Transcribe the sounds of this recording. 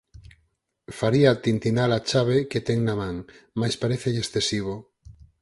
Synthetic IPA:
faɾiat̪int̪inalat͡ʃaβeket̪eŋnamãŋmajspaɾeθeʎesθesiβ̞o

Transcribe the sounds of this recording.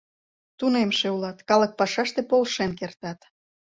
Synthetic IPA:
t̪unemʃeulɑt̪kɑlɤ̆k̚pɑʃɑʃt̪epolʃenk̬ert̪ɑt̪

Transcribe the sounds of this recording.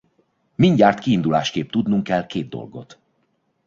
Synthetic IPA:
miɲɟaːrt̪kiːnd̪ula̰ːʃkeːp̚t̪ud̪nuŋkɛlkeːd̪̚d̪o̞̰lɡo̞̰t̪

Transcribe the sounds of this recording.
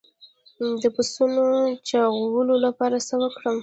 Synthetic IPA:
d̪əpʊsunot͡ʃɑɣawəlolapɑɾasəwəkɽəm

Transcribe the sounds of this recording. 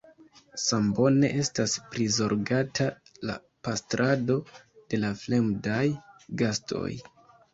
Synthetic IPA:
sambo̞ne̞ʔe̞staspɾizo̞ɾɡatʰa | la̰ | pastɾʔado̞ | d̥e̞lafle̞mdajɡastʰo̞̰j

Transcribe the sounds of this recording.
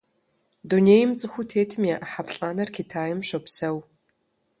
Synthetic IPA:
duneːjmt͡sʼɨxʷutʰeːtʰɨmjaʔħapɬʼaːnɐrkʲʰitʰaːjɪmɕʷɐpsɐw

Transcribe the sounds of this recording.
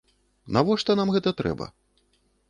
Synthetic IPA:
navɔʂt̪ɔnamɣɛt̪ɐt̪ɾɛ̰bɐ̰

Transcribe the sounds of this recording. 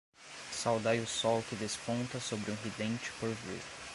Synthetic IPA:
sawd̪ajʊsɔwkɪd̪espõnt̪ɐsobɾɪũɦid̪ẽnt͡ʃɪ̥poɾvḭɾ

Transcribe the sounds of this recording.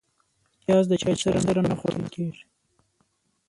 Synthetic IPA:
jɑs̬d̪ət͡ʃɑsəɾand̪əɾanaxo̰ɽə̰lkeɾi

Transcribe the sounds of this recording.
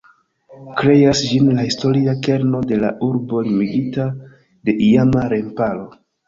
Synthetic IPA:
kɾe̞jasd͡ʒinlahisto̞ɾiake̞ɾno̞de̞la̰ʔuɾbo̞limiɡita | de̞ʔijamaɾe̞mpalo̞

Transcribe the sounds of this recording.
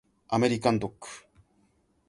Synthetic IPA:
ameɾikand̪uk

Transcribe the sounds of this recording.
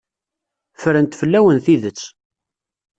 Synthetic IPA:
fəɾənt̪fəlːæwənθiðət͡sː

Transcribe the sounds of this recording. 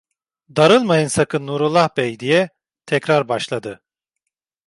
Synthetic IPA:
d̪aɾɯlˠmajɯnsakʰɯnːuɾulˠahbɛjd̪ijɛ | t̪ʰɛcɾaɾbaʃlˠad̪ɯ

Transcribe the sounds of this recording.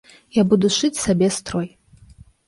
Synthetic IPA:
jabuduʃʷɨtsabʲestʰroj

